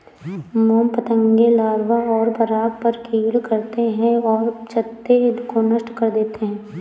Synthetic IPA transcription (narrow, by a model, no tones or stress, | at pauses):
moːmpɐt̪ə̃ŋɡelaːɾʋaɔːɾbɐɾaːɡ̚pɐɾkiːlkɐɾt̪eɦɛ̃ɔːɾt͡ʃʰɐt̪ːed̪konɐʃʈkɐɾd̪eːt̪eɦɛ̃ː